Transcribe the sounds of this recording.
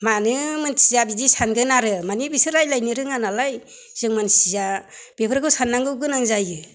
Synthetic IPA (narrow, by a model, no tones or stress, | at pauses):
manɯmɯnsizabidisanɡɯnaɾɯmanibisɯɾajlajnɯɾɯŋanalaj | z̥ɯŋmansizab̥epʰɯɾkʰɯsanːaŋɡɯwɡɯnaŋzajɯ